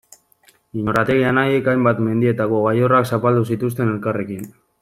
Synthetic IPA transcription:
iɲoɾat̪e̞ɣianaje̞kajmbat̪me̞nd̪ie̞t̪ako̞ɣajoraksapald̪usit̪us̬t̪e̞ne̞lkare̞kin

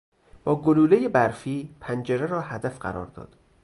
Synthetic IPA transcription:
b̥ɒːɡoluːlejebæɾfiːpʰænd͡ʒeɾeɾɒːhæd̪æfɢæ̰ɾɒ̰ːɾd̪ɒ̰ːd̪̥

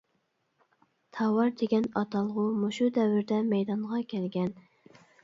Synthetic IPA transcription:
t̪ʰɑwɑɾd̪eɡʲɛnɑt̪ʰɑlˠəʁʊmoʃud̪ɛwɪɾd̪ɛmɛjd̪ɑnʁɑkʲʰɛlɡʲɛn

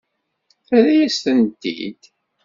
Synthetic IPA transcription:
æðjæst̪ənt̪ːḭd̪̥

